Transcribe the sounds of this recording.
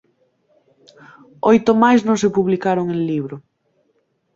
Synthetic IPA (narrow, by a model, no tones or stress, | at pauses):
ojt̪omajsnõŋsepuβlikaɾoŋẽŋliβɾʊ